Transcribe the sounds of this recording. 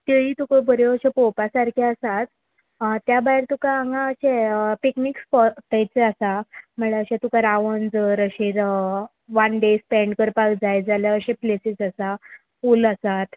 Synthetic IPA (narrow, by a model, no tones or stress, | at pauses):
t̪eɭiːt̪ukəbəɾjoəɕẽpopasaɾkʰiəsat̪ | t̪ːjabajɾt̪ukaaŋɡãəɕepiknikspɔt̪ajt͡seəsam̤əɭeəɕẽt̪ukaɾaʋənd͡zəɾəɕiɾ | ʋanɖespɛ̃ɳɖkəɾpakd͡zajd͡zaljaəɕẽplesisəsa | uləsat̪